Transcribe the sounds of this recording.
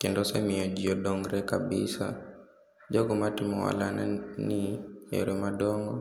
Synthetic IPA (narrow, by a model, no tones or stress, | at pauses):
kɛndɔsɛmiɔd͡ʒiɔɗɔŋɡɾɛkabisa̰ | d͡ʒɔɡɔmatimɔwa̰lananiɛ̰ɾɛmaɗɔŋɡɔ